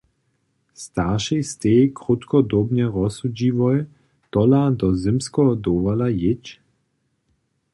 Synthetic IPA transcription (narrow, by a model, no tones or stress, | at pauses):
st̪aʃɛjst̪eːkʁut̪kɔd̪obɲɛʁɔsud͡ʒiːvɔj | t̪ɔlad̪ɔzɪmskɔd̪oːʋalajɪt͡ʃ